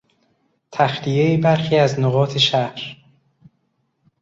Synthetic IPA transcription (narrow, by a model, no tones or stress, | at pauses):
t̪ʰæxlijejibæɾxiːæznoɣɒːt̪ʰe̞ʃæhɾ